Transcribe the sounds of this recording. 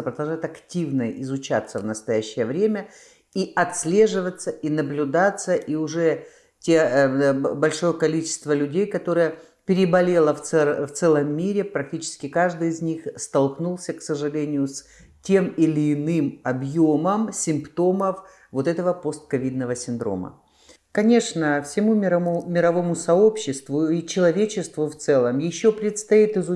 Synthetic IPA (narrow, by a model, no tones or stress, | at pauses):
əpɾəd̪ɐlˠʐaɪt̪ɐktʲivnəɪzʊt͡ɕa̰t̪sːəvnəst̪ɐjæɕːɪjəvɾʲemʲə | iʔɐt̪sʲlʲe̞ʐɨvət̪səinəblʲʊd̪at̪səʔiʊʐɛ | tʲe | bɐlʲʂo̞jəkɐlʲit͡ɕɪ̥st̪vəlʲʉdʲejkɐt̪o̞ɾɨjə | pʲɪɾʲɪbɐlʲe̞lˠəft̪ɛft̪sɛlˠəmːʲiɾʲɪpɾɐk̚tʲit͡ɕɪ̥skʲɪkaʐd̪ɨjɪzʲnʲixst̪ɐlˠknulˠsʲəksəʐɨlʲenʲɪjʊsʲ | tʲemɪlʲɪːnɨmɐbjo̞məmsʲɪmpt̪o̞məf | vo̞t̪ɛt̪əvəpo̞st̪̚kɐvʲid̪nəvəsʲɪnd̪ɾo̞̰mə̰ | kɐnʲe̞ʂnəfsʲɪmumʲɪɾɐmʊmʲɪɾɐvo̞mʊsɐo̞pɕːɪst̪vʊit͡ɕɪlˠɐvʲet͡ɕɪst̪vʊft̪sɛlˠəmjɪɕːopɾʲɪt̪st̪ɐit̪ɨzʊ